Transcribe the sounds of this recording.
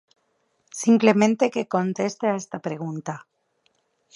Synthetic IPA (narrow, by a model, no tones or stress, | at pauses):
simple̞mẽ̞nt̪e̞ke̞ko̞nt̪e̞st̪eaest̪apɾe̞ɣ̞unt̪a